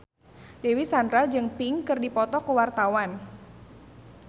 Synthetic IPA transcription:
dewisandɾad͡ʒɨŋpiŋkɨrdipɔt̪ɔkuwart̪awan

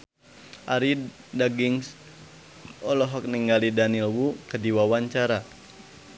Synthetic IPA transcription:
ʔaɾi | daɡiŋs | ɔlɔɦɔk̚niŋɡalidanilwukədiwawaɲt͡ʃaɾa

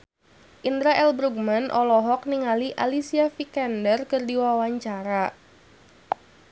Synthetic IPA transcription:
ʔind̪ɾaʔɛlbɾuɡ̚manʔɔlɔɦɔk̚niŋaliʔalisiafikɛndərkɨrdiwawaɲt͡ʃaɾa

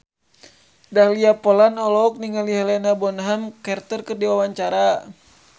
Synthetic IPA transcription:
dahliapɔlanɔlɔk̚niŋaliɦɛlɛnabɔnɦamkɛrt̪ərkɨrdiwawaɲt͡ʃaɾa

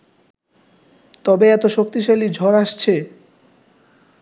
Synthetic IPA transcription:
t̪ɔbeɛt̪oʃok̚t̪iʃalid͡ʑʱɔɾaʃt͡ɕʰe

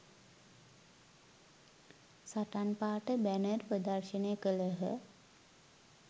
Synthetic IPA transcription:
saʈanpaːʈəbænərprəd̪arʃənekələɦə̰

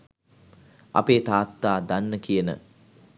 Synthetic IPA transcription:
a̰peːt̪aːt̪ːaːd̪anːəkijənə̰

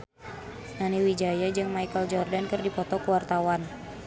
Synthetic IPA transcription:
naniwid͡ʒajad͡ʒɨŋmajkəld͡ʒɔrdankɨrdipɔt̪ɔkəwart̪awan

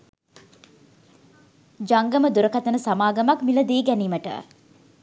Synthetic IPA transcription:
d͡ʒaŋɡəməd̪uɾəkat̪ənəsamaːɡəmakmiləd̪eːɡæniːməʈə̰

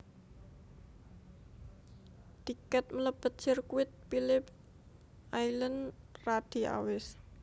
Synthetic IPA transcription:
t̪ikɛt̪̚mələb̥ət̪̚t͡ʃərkuɪt̪̚filɪp̚ | ʔailən | rad̪̥i̤a̰wɪs

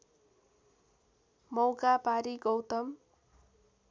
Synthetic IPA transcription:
mʌwkapaɾiɡʌwt̪ʌm

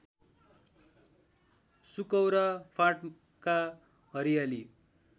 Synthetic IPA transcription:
sukʌwɾapʰaʈ | ka | ɦʌɾijali

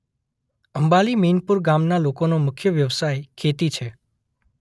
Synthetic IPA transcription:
əmbaliminpuɾɡamnalokonomʊkʰjəʋjəʋsajkʰet̪it͡ʃʰe

